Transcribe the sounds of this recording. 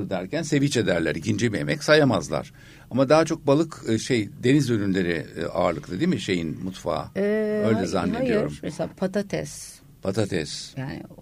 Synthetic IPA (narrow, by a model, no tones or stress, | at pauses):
ɾd̪æɾcænse̞vit͡ʃed̪æɾlʲæ̰ɾicʰind͡ʒɛbie̞mɛcsajamazlˠa̰ɾ̥ | amad̪aɦat͡ʃʰo̞k̚balˠɯkːʃejd̪e̞nizønynlʲe̞ɾḭa̰ːɾlˠɯk̪ʰad̪iːmiʃe̞jinmut̪fa̰ːø̞jlʲɛzanːid̪ijo̞ɾummɛseapʰat̪at̪ʰɛ̰s | pʰat̪ʰat̪ʰɛ̰sjaːnɪ̰